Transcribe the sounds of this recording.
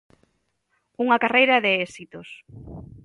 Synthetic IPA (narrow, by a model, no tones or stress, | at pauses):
uŋɐkarejɾɐðeesit̪os